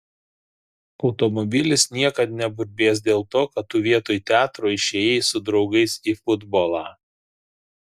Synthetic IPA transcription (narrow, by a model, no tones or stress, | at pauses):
ɒʊt̪ɔmɔbʲɪlʲɪsnʲiɛkɐt̪̚nʲɛbʊɾʲbʲeːs̬d̪ʲeːlˠt̪oːkɐt̪ːuːʋʲiɛt̪oːjt̪ʲæːt̪ɾoːɪʃʲɛjɛɪsʊd̪ɾɒʊɡɐɪsiːfʊd̪boːlˠɑː